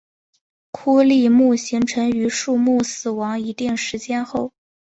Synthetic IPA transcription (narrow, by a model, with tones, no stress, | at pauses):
kʰu˥li˥˧mu˥˩ɕi˧˥ŋʈ͡ʂʰɤ˧˥ŋy˧˥ʂu˥˧mu˥˩sɹ̩˨˩wɑ˧˥ŋi˧˥t̪i˥˩ŋʂɻ̩˧˥t͡ɕjɛ˥nxo˥˩ʊ